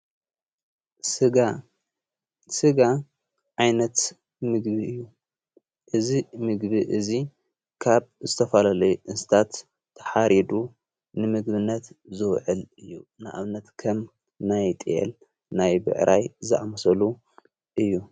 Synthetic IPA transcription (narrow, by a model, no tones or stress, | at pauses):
ɨɡa | sɨɡa | ʕajnɐt̪ | mɨɡbiɨjːu | ʔɨzimɨɡbiʔɨzi | kʰaβzɨt̪ʰɐfalalɐjuʔɨnst̪ʰat̪ʰː | ɐ̥ħaɾid̪u | nɨmɨɡbɨnːɐt̪zɨwʕɨlɨjːunɨʔa̰βnɐt̪kʰɐm | najt̪ʼijḛl | najbɨ̰ʕɾʔajzɨʔamɐsɐlu | ʔɨjːu